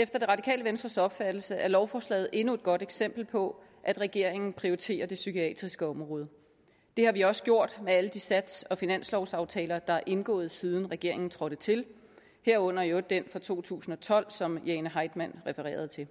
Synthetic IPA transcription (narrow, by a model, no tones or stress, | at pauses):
efd̥ɐ̥e̝ʁɑ̈dikʰɛ̰ːləʋensd̥ʁɐsɒ̽b̥fæd̥l̩səʔæɐlɒʊfɒːslɛ̰ːð̞̩ˠʔe̝nue̝d̥̚ɡ̥ɒ̽ɾ̥eɡ̥sem̰b̥l̩pʰɒ̽ | ʔæd̥ʁɛɡ̥e̝ɐ̰e̝ŋn̩pʰʁioʁit͡sʰe̝̰ːɐd̥e̝sykʰiɛ̰ːd̥ʁisɡ̥əɒ̽mʁɔ̽ːð̞ˠ | d̥e̝hɑ̈ʋiɒ̽sə̥ɡ̥jo̝ɐ̰d̥meæləd̥isæd̥sɒ̽finæn̰slɒʊsɑ̈ʊt͡sʰɛːlɐd̥ɑ̈æʔe̝nɡ̥ɔ̰̽ːð̞̩ˠsið̞ˠn̩ʁɛɡ̥e̝ɐ̰e̝ŋn̩t͡sʰʁɒ̽ɾ̥ət͡sʰe̝l | heɐ̰ɔ̽n̰ɐjod̥enfɒ̽t͡sʰo̝̰ːt͡sʰṵːsn̩ɒ̽t͡sʰɒ̽l̰sɒ̽mjenəɦɑ̈ɪd̥mæn̰ʁɛfəʁɛ̰ːɐð̞̩ˠt͡sʰe̝